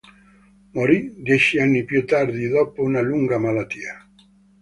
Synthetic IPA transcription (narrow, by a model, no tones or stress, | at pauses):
moɾid̪jɛt͡ʃianːipjut̪ːard̪id̪ɔpounaluŋɡamalat̪ːiːa